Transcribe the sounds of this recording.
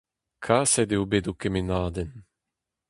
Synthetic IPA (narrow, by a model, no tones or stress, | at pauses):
kʰasɛd̪ewbed̪ukemenaːd̪ɛn